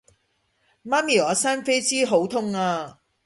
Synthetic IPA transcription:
maː˥miː˨˩ɔː˨˧saː˥nfe˥jt͡siː˥ɦo˨˥wt̪ʰʊ˥ŋaː˧

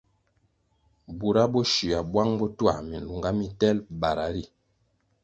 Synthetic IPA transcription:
bu˨ɾa˦bɔ˦ʃi˨a˨bwa˦ŋbɔ˦twa̰˨mi˨n̩˨lu˨ŋɡa˦mi˦tɛ˦lba˨ɾa˨˦ɾi˦˨

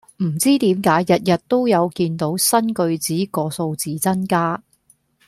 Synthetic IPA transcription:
m̩˨˩t͡siː˥t̪iː˨˥mkaː˨˥jːɐ˨t̚jɐ˨t̚t̪o˥wjɐ˨˧wkiː˧nt̪o˨˥wsɐ˥nkɵ˧ɥt͡siː˨˥kɔː˧so˧wt͡siː˨t͡sɐ˥nkaː˥

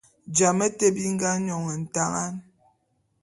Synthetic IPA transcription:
d͡ʒa˨mə˦te˦bi˦ŋ̩˦ɡa˦ɲɔ˨ŋə˨n̩˨ta˦ŋa˦n

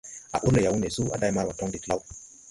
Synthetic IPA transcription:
a̰˨ʔu˦le˨ja˨wu˦ne˨su˦a̰˨da˦jma˦wa˨tɔ˦ŋdi˨tla˦w

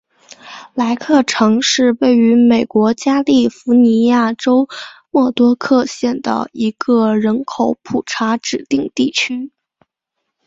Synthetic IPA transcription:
la˧˥ɪkʰɤ˥˩ʈ͡ʂʰɤ˧˥ŋʂɻ̩˥˧we˥˩ɪy˧˥me˨˩ɪkwɔ˧˥t͡ɕja˥li˥˩fu˧˥ni˧˥ja˥˩ʈ͡ʂo˥ʊmwɔ˥˩t̪wɔ˥kʰɤ˥˧ɕjɛ˥˩nd̪ə̰˩i˧˥ɡə˧ɻə˧˥nkʰo˨˧˥ʊpʰu˨˩ʈ͡ʂʰa˧˥ʈ͡ʂɻ̩˨˩t̪i˥˧ŋt̪i˥˩t͡ɕʰy˥

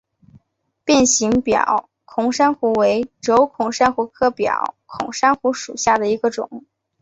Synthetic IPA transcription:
pjɛ˥˩nɕi˧˥ŋpjɑ̰˨˩˦ʊ | kʰʊ˧˥ŋʂa˥nxu˧˥we˧˥ɪʈ͡ʂo˧˥ʊkʰʊ˨˩ŋʂa˥nxu˧˥kʰɤ˥˩pjɑ̰˨˩˦ʊkʰʊ̰˨˩ŋʂa˥nxu˧˥ʂu˨˩ɕja˥˩d̪ə˩i˧˥ɡə˧ʈ͡ʂʊ̰˨˩˦ŋ

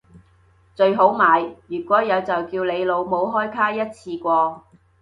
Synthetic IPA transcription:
t͡sɵ˧ɥɦo˨˥wmaː˨˧jjyː˨˩kʷɔː˨˥jɐ˨˧wt͡sɐ˨wkiː˧wle˨˧jlo˨˧wmo˨˧wɦɔː˥jkʰaː˥jɐ˥t̚t͡sʰiː˧kʷɔː˧

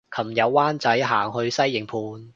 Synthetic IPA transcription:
kʰɐ˨˩mjɐ˨˧wːaː˥nt͡sɐ˨˥jɦaː˨˩ŋɦɵ˧ɥsɐ˥jːɪ˨˩ŋpʰuː˧n

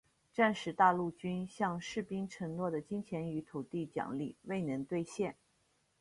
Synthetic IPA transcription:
ʈ͡ʂa˥˧nʂɻ̩˧˥t̪a˥˧lu˥˩t͡ɕy˥nɕjɑ˥˧ŋʂɻ̩˥˩pi˥ŋʈ͡ʂʰɤ˧˥ŋnwɔ˥˩d̪ə˩t͡ɕi˥ŋt͡ɕʰjɛ˧˥ny˧˥t̪ʰu˨˩t̪i˥˩t͡ɕjɑ̰˨˩ŋli˥˩we˥˩ɪnɤ˧˥ŋt̪we˥˧ɪɕjɛ˥˩n

